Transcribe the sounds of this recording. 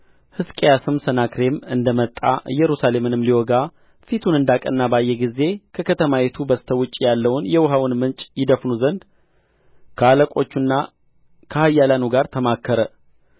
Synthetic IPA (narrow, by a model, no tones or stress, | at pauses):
hɨskʼejasɨmsənakɾe̞mɨnd̪əmət̪ʼːa̰ʔɨjːɛɾusale̞mɨnɨmliwɔɡa | fit̪ʰunɨnd̪akʼə̰nːabajːɛɡize̞kʰəkʰət̪ʰəmajɛt̪ʰubəst̪ʰəwʊt͡ʃʼːijalːəwʊnjɛwʊɦawʊnmɨnt͡ʃʼjɪd̪əfnuzənd̪ | kʰəaləkʼo̞t͡ʃːunːa | kʰəhajːalanuɡaɾt̪ʰəmakʰːəɾə